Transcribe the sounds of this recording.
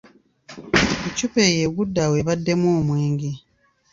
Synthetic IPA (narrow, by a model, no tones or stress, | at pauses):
icupejeβudːaweβadːe̞moːmweːŋɡe